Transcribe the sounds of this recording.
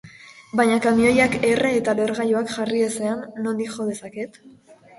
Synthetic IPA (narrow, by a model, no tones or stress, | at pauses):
bajɲakamio̞jakereːt̪aleɾɣajuakʝariese̞anːo̞nd̪ikxo̞ðe̞saket̪